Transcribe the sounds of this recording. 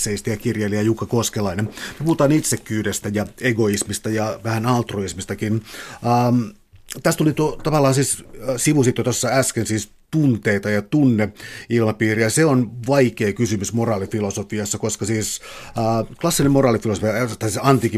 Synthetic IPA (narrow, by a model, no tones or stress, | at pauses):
sːeist̪ɑjɑkirjeːlijɑjukːɑkoskelɑinenmepuhut̪ɑːnit̪sekːyːdest̪æjɑeɡoismist̪ɑjɑʋæhænɑlt̪roismist̪ɑkinː | m | t̪æst̪ulit̪uot̪ɑʋɑlːɑːnsiːssiʋusit̪ːjot̪osːɑæskensiːs | t̪unt̪eit̪ɑjɑt̪unːeilmɑpiːriɑseonʋɑikeːkysymysmorɑːlifilosofiɑsːɑkoskɑsiːsː | klɑsːinemmorɑːlifilosofiɑt̪ɑsiɑnt̪iki